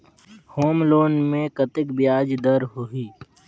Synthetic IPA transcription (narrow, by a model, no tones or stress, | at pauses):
hoːmloːnmẽkɐt̪ɪkbɪjaːd͡ʒd̪əɾɦʊiː